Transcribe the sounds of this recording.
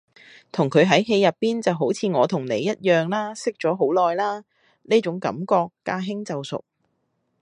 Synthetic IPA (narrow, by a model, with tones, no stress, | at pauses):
t̪ʰʊ˨˩ŋkʰɵ˨˧ɥɦɐ˨˥jɦe˧jːɐ˨pːiː˥nt͡sɐ˨wɦo˨˥wt͡sʰiː˨˧ŋɔː˨˧t̪ʰʊ˨˩ŋne˨˧jːɐ˥t̚jœː˨ŋlaː˥sɪ˥k̚t͡sɔː˨˥ɦo˨˥wlɔː˨jlaː˥ | neː˥t͡sʊ˨˥ŋkɐ̰˨˥mkɔː˧kːaː˧ɦɪ˥ŋt͡sɐ˨wsʊ̰˨k̚